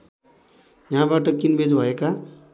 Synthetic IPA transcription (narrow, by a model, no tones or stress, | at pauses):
jʌɦãbaʈʌkinbed͡zbʱʌeka